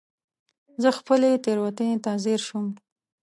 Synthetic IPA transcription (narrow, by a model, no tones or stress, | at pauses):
zəxpəlet̪eɾwat̪ət̪ɑzɪɾʃum